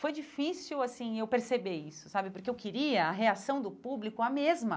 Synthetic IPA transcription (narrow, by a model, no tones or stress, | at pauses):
fojd͡ʒifisuwasĩewpeɾsebeisʊ̥sabɪpoɾkeewkɪɾiɐɐɦeasɐ̃w̃d̪ʊpublikʊɐmezmɐ